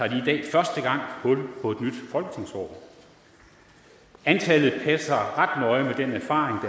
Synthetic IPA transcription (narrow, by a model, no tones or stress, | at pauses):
ɑ̈d̥iːd̥ɛ̰ːfɶɐsd̥əɡ̥ɑ̈ŋ̰hɔ̽lpʰɒ̽e̝d̥nyd̥fɒ̽lɡ̥ə̥t͡sʰe̝ŋsɒ̰ː | ænt͡sʰɛlð̩ˠpʰæsɐʁɑ̈d̥nɒ̽ɪmed̥enæɐfɑ̰̈ːʁeŋd̥æ